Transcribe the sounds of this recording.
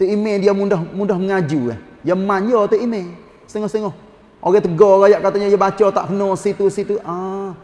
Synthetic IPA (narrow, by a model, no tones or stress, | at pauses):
t̪əimediamundaɦmundahməŋad͡ʒuka̰h | jamaɲɔt̪əime | səŋɔhsəŋɔh | ʔoɡɛt̪əɡɔɡajaʔkat̪aɲajabat͡ʃɔt̪a̰ʔkənɔsit̪usit̪uʔa